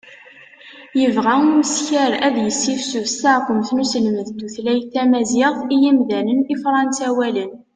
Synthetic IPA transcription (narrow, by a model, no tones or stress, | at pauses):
jəvʁæuməsçəɾæðjəsːifsusaqʊmθnusəlməðd̪uθlæjθæmæzɪʁθijimðænənifɾˤɑnsæwælən